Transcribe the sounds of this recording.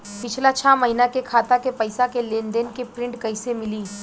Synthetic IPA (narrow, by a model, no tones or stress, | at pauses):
pɪt͡ʃʰlat͡ʃʰaːmɐɦiːnakekʰaːt̪akepɐɪsakeleːnd̪enkepɾɪ̃ɳʈkɐɪsemɪliː